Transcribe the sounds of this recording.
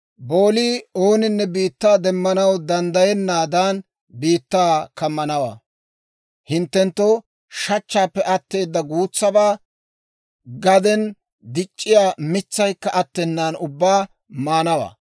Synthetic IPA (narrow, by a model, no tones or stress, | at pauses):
bo̞ːliːo̞ːnɪnːɛbiːt̪ːaːd̪ɛmːɐnɐwd̪ɐnd̪ɐjɛnːaːd̪aːn | biːt̪ːaːkɐmːɐnɐwa̰ː | hɪnt̪ːɛnt̪ːo | ʃɐt͡ʃːaːpːɛʔɐt̪ːe̞ːd̪ːɐɡuːt͡sːɐbaː | ɡɐd̪ɛn | d̪ɪt͡ʃʼːɪjaːmɪt͡sːɐjkːɐʔɐt̪ːɛnːaːnʊbːaː | maːnɐwa̰ː